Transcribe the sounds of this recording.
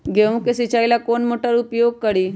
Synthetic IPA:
ɡʱeʋũkesit͡ɕajlakoɳmoʈəɾupjoɡ̚kəɽiː

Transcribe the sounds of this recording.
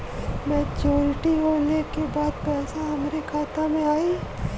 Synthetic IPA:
mɛ̃ːt͡ʃoːɾʈiɦoːlekebaːd̪̚pɛːsaɦɐmɾekʰaːt̪amẽaːi

